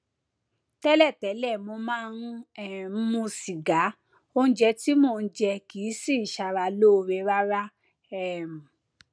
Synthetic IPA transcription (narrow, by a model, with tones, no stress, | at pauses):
tɛ˦lɛ˦˨tɛ˨˦lɛ˦˨mo˧mãː˦nũ˦ɛ˦˨˦mũ˧si˨ɡa˨˦ | o˧ñ̩˦d͡ʒɛ˧ti˦mo˦˧˨d͡ʒɛ˧kiː˨˦si˦˨ʃa˧ɾa˧lo˦˧ɾɛ˧ɾa˦ɾa˦ | ɛ˦˨m̩˨